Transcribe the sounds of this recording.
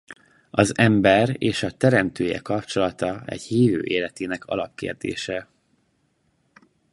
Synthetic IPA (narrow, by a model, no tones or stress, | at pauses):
ɒzɛmbɛreːʃɒt̪ɛɾɛmt̪øːjɛ̰kɒpt͡ʃo̞lɒt̪ɒɛ̰ɟhiːvø̰ːʔeːlɛt̪eːnɛkʰɒlɒp̚kḛːrd̪ḛːʃɛ